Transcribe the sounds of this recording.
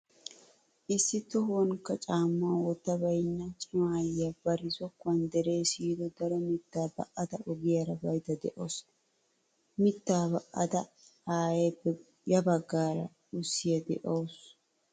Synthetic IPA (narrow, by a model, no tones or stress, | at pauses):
ʔɪsːɪt̪ɔɦwɔŋkːɐt͡ʃʼaːmːawɔt̪ːɐbɐjnːɐt͡ʃʼɪmaːjɐbɐɾɪsɔkːʊɐnd̪ɛɾe̞ːsiːd̪ɔd̪ɐɾɔmɪt̪ːaːbɐ̰ʔɐt̪ɐʔɔɡɪjɐɾɐbɐjt̪ɐd̪ɛʔos | mɪt̪ːaːbɐʔɐ̰t̪ɐ | aːjeː | jɐbɐɡːaːɾɐ̰ | ʊsːɪjɐd̪ɛ̰ʔɐws